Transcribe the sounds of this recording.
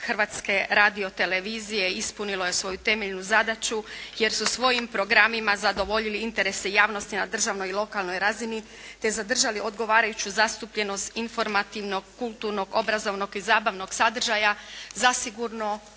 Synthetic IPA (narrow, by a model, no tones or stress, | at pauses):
xərʋaːt̪ske̞ɾad̪io̞t̪e̞le̞ʋiːzije̞ispunilˠo̞jesʋo̞jut̪e̞meʎnuzad̪at͡ʃuje̞ɾsusʋo̞jimpɾo̞ɡɾamimazad̪o̞ʋo̞ʎiliint̪e̞ɾe̞sejaːʋno̞st̪inad̪r̩ʒaʋno̞jilˠo̞kalˠno̞jɾazini | t̪e̞zad̪r̩ʒaliʔo̞d̪ɡo̞ʋaːɾajut͡ɕuzast̪upʎe̞no̞st̪info̞ɾmat̪iʋno̞ɡ̚kulˠt̪uɾno̞ɡo̞bɾazo̞ʋno̞ɡizaːbaʋno̞ɡsad̪r̩ʒajazasiɡuɾno